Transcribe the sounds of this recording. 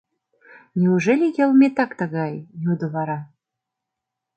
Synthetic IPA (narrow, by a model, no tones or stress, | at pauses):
nʲiuʒelʲijəlˠmʲet̪ɑkt̪ə̆ɣɑjjud̪ɤ̆βɑɾɑ